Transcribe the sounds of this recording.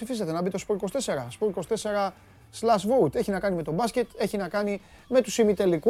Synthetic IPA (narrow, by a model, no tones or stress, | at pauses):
ifiset̪e̞nɐbit̪o̞spo̞iko̞st̪e̞se̞ɾɐspoiko̞st̪e̞se̞ɾɐ | slɐsvout̪e̞çinɐkɐnime̞t̪o̞bɐsce̞t̪e̞çinɐkɐni | me̞t̪usimit̪e̞liku